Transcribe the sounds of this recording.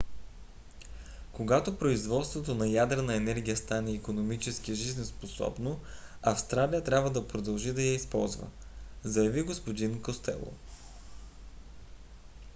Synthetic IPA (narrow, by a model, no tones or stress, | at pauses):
koɡat̪opɾoizvɔt̪st̪vot̪onɐjad̪ɾɛnəɛnɛɾɡʲijəst̪anɛikonomit͡ʃɛsk̟iəʒizɛnsposɔ̰bno | ɐfst̪ɾalijət̪ɾʲabvəd̪ɐpɾod̪ɐlˠʒid̪ɐjɐispɔ̰lˠzvə̰zɐjɐviɡospod̪inkost̪ɛ̰lˠo̰